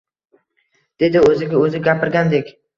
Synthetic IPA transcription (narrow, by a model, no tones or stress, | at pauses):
d̪̥e̞d̪ɪɵzɪɡʲaɵzɪɡʲapʰɪɾɡʲand̪e̞kʲ